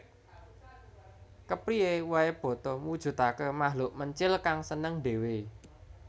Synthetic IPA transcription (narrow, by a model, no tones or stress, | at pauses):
kəpɾiewaeb̥ɔ̤t̪ɔmud̥ʒ̥ṳt̪akəmaɦlʊʔməɲt͡ʃɪlkaŋsənəŋɖe̤we